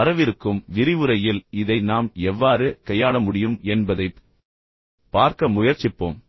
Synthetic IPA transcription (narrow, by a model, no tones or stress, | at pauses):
ɐɾɐʋɪɾɯkːɯmʋɪɾɪʋɯɾɐjɪlɪðɐɪnaːmɛʋːaːɾɯkɐjaːɭɐmʊɽɪjɯmɛnbɐðɐɪ | pːaːɾkɐmʊjɐɾt͡ʃːɪpːo̰ːm